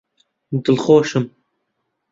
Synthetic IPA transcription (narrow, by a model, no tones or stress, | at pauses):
d̪ɨlxoːʃɨm